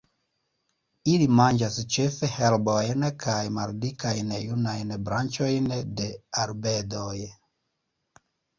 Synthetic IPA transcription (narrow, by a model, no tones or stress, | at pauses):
ilimand͡ʒast͡ʃe̞fe̞he̞lbojnkʰajmaldikajnjunajnbɾant͡ʃo̞jnde̞aɾbe̞doj